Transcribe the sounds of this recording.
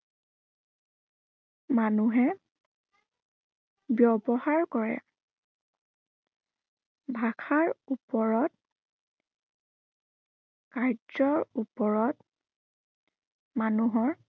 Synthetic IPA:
manuɦɛ | bjɔbɔɦaɹkɔɹɛ̰ | bʱakʰaɹupɔɹɔt̚ | kaɹzɔɹupɔɹɔt | manuɦɔɹ

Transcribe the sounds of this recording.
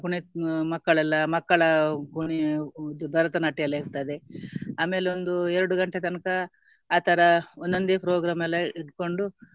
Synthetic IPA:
kuɳimɐkːɐɭɛlːɐmɐkːɐɭɐkuɳibɐɾɐt̪ɐnaːʈːijɐlːɐiɾt̪ɐd̪eaːme̞ːleond̪uɛɾuɽuɡɐɳʈet̪ɐnkɐ | aːt̪ʰɐɾɐond̪ond̪epɾoːɡɾaːmɛlːɐiʈko̞ɳɖu

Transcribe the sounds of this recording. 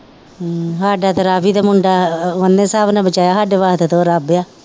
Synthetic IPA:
ɦaːɖaːt̪eɾaːbiːd̪aːmʊɳɖaːʋənːẽːsaːbnãːbət͡ʃaːjaːɦaːɖeʋaːɦt̪t̪õːɾaːbjaː

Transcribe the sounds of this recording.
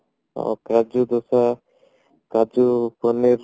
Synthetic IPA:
a̰wkad͡ʒud̪ɔsa | kad͡ʒupɔniɾ

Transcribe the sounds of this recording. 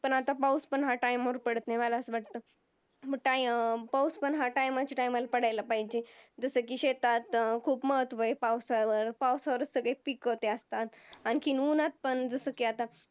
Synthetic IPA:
pəɳat̪apawspəɳɦaʈajmaʋəɾpəɽət̪naʋalaəsʋaʈ̚t̪ə | əʈajpawspəɳɦaʈajmat͡ɕiʈajmalapəɽajlapaɦid͡ʑed͡zəsəkiɕet̪at̪kʰuːpməɦət̪ʋəepawsaʋəɾpawsaʋəɾət͡ssəɡɭepikət̪eəst̪at̪anikʰinunat̪̚pəɳd͡zəsəkiat̪a

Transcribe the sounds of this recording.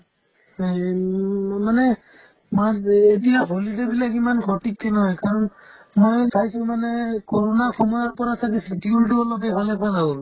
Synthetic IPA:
manɛ | maetijaɦolidebilakimankʰɔʈik̚tɛnɔɦɔjkaɹɔn | mojsajsʊ̃manɛkɔɹɔnakʰɔmɔjaɹpɔɹasak̬isikjuɹiʈiɔlɔpɛbʱalɛpʰazabɔl

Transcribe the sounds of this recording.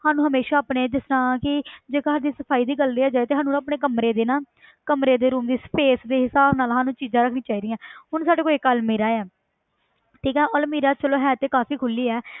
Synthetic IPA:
haːnũɦəmeːʃaːaːpneːd̪ɪsnãːkɪd͡ʒeːkaɦaːɾd̪iːsəpʰaːiːd̪iːɡəlɾeaːd͡ʒaːet̪eːɦaːnũːnaːpneːkəmɾeːd̪eːnaː | kəmɾeːd̪eːɾuːmd̪iːsə̥peːsd̪eːɦɪsaːbnaːlɦaːnũːt͡ʃiːzãːɾəkʰnĩːt͡ʃaːiːd̪iːãːɦʊnsaːɖeːkoːiekːəlmeːɾaːɛː | ʈʰiːkɛ̃ːʔɔlmiːɾaːt͡ʃəloːɦɛːt̪eːkaːfiːkʰʊliːɛː

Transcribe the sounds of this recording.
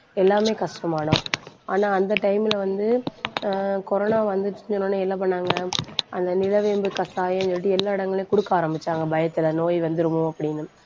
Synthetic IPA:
ɛlːaːmeːkɐʂʈɐmaːɳʊ̃aːnaːɐnd̪ɐʈɐɪmɪlɐʋɐnd̪ɯ | kɔɾɔnaːʋɐnd̪ɯʈːɪɲd͡ʒɐnõnːɯɛlːɐp̬ɐɳːaːŋɡɐʔɐnd̪ɐnɪlɐʋeːmbɯkɐst̪aːjeɲɔʈ̬ːiɛlːaːɪɽɐŋɡɐɭeːkʊɽɯkːaːɾɐmbɪt͡ʃːaːŋɡɐbɐjɐt̪ːɯlɐnoːjʋɐnd̪ɯɾɯmʊ̃ɐpːɐɽɪnːɯ

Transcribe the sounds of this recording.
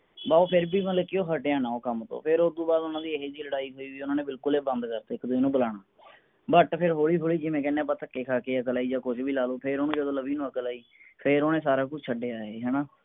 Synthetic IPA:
baːoːpʰɪɾbiːmət̪ləkɪjõːɦəʈjãːnãːoːkəmt̪õ̰ːpʰɪɾod̪ũːbaːd̪ʊnãːd̪iːəɦeːd͡ʒiːləɽaːiːɦoːiːʋiːʊnãːneːbɪlkʊleːbə̃nd̪kəɾt̪eːɪkd̪ɪnũːbəlaːɽaː | bəʈpʰɪɾɦoːɭiːɦoːɭiːd͡ʒɪʋẽːkɛːneãːpət̪ʰəkːeːkʰaːkeːəkəlaːiːd͡ʒaːkʊt͡ʃʰbiːlaːloːpʰɪɾoːnũːd͡ʒəd̪õːləbiːnũːəkəlaːiːpʰɪɾoːnẽːsaːɾaːkʊt͡ʃt͡ʃʰəɖeːaːɦeːɦɛːnaː

